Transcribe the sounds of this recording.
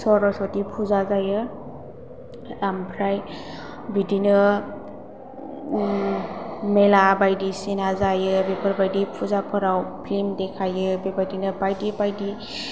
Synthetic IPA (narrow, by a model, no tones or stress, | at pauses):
sɔɾɔsɔtipʰuzazajɯ | ɾampʰɾaj | bidinɯ | melabajdisinazajɯbepʰəɾbajdipʰuzapʰɯɾawpʰlimdekʰajɯbepajdinɯbajdipajdi